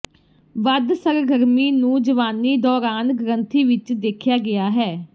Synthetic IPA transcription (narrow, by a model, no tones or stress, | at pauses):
ʋəd̪səɾɡəɾmiːnũːd͡ʒəʋaːniːd̪ɔːɾaːnɡɾə̃nt̪ʰiːʋɪt͡ʃd̪eːkʰjaːɡɪjaːɦɛː